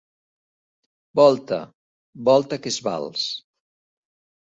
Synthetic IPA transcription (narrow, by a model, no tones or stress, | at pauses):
bɔlˠt̪ə̰ | bɔlˠt̪əkezβa̰lˠs